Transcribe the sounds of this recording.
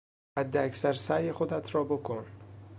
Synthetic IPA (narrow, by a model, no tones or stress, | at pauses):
hæd̪ːeæcsæɾsæjexod̪æt̪ʰɾɒːbokʰon